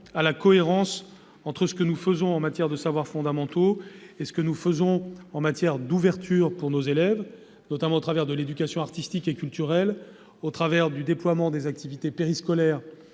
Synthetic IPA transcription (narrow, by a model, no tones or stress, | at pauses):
alakɔeʁɑ̃s | ɑ̃t̪χəsə̥kənufəzɔ̃ɑ̃mat̪jɛʁd̪əsavwaʁfɔ̃d̪amɑ̃t̪oesə̥kənufəzɔ̃ɑ̃mat̪jɛʁd̪uvɛʁt̪yːʁpuʁnozelɛv | nɔt̪amɑ̃ot̪χavɛʁd̪əled̪ykʲasjɔ̃aʁt̪ist̪ikekʲylt̪yʁɛl | ot̪χavɛʁd̪yd̪eplwamɑ̃d̪ezak̚t̪ivit̪epeʁiskɔlɛːʁ